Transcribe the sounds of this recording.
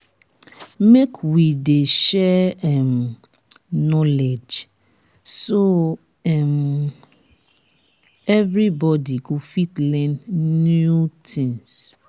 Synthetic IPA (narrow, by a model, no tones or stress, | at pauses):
mekʰwideʃɛɛm | nɔled͡ʒ | so | ɛm | ɛvɾibɔdiɡofitlɛ̃nnjutʰĩŋs